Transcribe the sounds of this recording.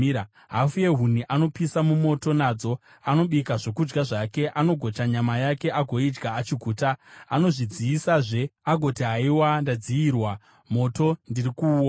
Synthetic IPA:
ɦafue̞ɦuniʔano̞pisamumo̞to̞naːd͡zo̞ | ano̞ɓikaʐokud͡ʒɡaʐake̞ʔano̞ɡʱo̞taɲamajake̞ʔaɡʱo̞id͡ʒɡaːt͡ʃiɡʱuːtaːno̞ʐid͡ziːsaʐe̞aɡʱo̞tiɦaiwandad͡zijirwa | mo̞to̞ndirikuːwo

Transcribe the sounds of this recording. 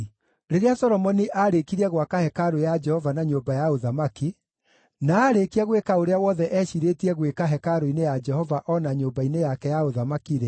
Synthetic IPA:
ɾeɾeasɔɾɔmɔniʔaɾekiɾɛɣwakahɛkaɾojad͡ʒɛhɔvanaɲoːbajaoðamaki | naːɾekiaɣwekaoɾeawɔðɛʔɛʃiɾetiɛɣwekaɦɛkaɾoinejad͡ʒɛhɔvaʔɔnaɲoːbainejakɛjaoðamakiɾe

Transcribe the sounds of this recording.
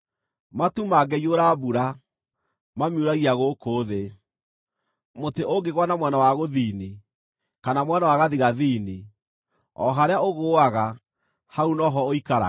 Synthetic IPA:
matumaɡɛjioɾabuɾa | mamjuɾaɣiaɣokoːðe | moteʔoɡeɣwanamwɛnawaɣoðiːni | kanamwɛnawaɣaðiɣaðiːni | ɔɦaɾeaoɣoːaɣa | haunɔɦɔoikaɾa̰

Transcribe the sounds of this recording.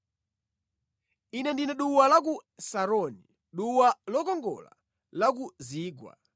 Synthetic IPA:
inɛndinɛɗuwalak̬usaɾɔni | ɗuwalɔkɔŋɡɔ̰la̰ | lak̬uziːɡwa̰

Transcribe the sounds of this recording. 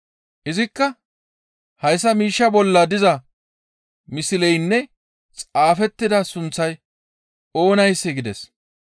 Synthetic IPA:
ʔɪzɪkːɐ | hɐjs̬ːɐmiːʃːɐbɔlːɐd̪ɪzɐ | mɪsɪlɛjnːɛ | t͡sʼaːfɛt̪ːɪd̪ɐsʊnt͡sːɐj | o̞ːnɐjsːɛɡɪd̪ɛs

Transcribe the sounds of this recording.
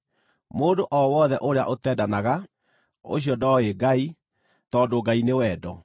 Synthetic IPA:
moːdoʔɔwɔðɛʔoɾea̰ʔotɛːdanaɣa | o̰ɕ̬iɔdɔeɡai | tɔdoɡainewɛdɔ

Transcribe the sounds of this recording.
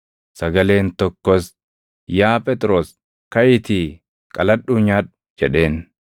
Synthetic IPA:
sɐɡɐle̞ːnt̪ɔkːɔs | jaːpʼɛt̪ʼɾo̞ːs | kɐjɪt̪i | kʼɐlɐɗuːɲaːᶑ | d͡ʒɛᶑe̞ːn

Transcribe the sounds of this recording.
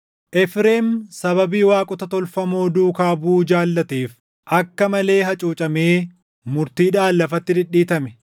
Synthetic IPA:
ʔɛfɾeːmsɐβɐbiːwaːkʼʊt̪ɐt̪ɔlfɐmo̞ːd̪uːkaːbuːd͡ʒaːlːɐt̪iːf | ʔɐkːɐmɐle̞ːɦɐt͡ʃʼuːt͡ʃʼɐmeː | mʊɾt̪iːᶑaːlːɐfɐt̪ːɪd̪ɪᶑːiːt̪ɐmɛ

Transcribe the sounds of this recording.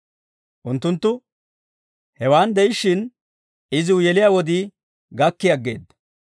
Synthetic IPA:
ʔʊnt̪ːʊnt̪ːʊ | hɛwaːnd̪ɛɪʃɪn | ɪzɪwʊjɛlɪjaːwɔd̪ɪ | ɡɐkːɪjɐɡːeːd̪ɐ

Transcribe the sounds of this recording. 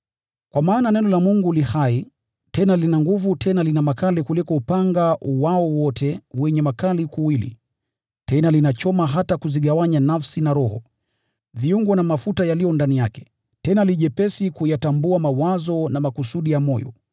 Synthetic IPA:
kwamaːnanɛnɔlamuŋɡulihai | tɛnalinaŋɡuvutʰɛnalinamakalikulikɔupaŋɡaʔuwaɔwɔtʰɛwɛɲɛmakalikuwilḭ | tɛnalinat͡ʃɔmaɦatakuziɠawaɲanafsinaɾɔhɔ | viuŋɡɔnamafutajalijɔndanijakɛ̥ | tɛnaliʄɛpɛsikujatambuamawazɔnamakusuɗijamɔjɔ̰

